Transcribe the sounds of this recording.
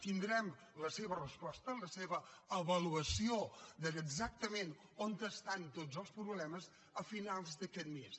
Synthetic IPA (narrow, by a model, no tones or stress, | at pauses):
t̪ind̪ɾɛm | ləseβərəspɔst̪ələseβəəβəluəsiod̪əəɡzak̚t̪əmen | ont̪əst̪ant̪od͡zzəlˠspɾuβlɛməz | əfinalˠzd̪əkɛt̪mes